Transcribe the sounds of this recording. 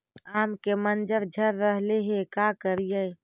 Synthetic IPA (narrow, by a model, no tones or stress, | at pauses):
aːmkemənd͡ʒəɾd͡ʒʱəɾːəɦleɦekakəɾijə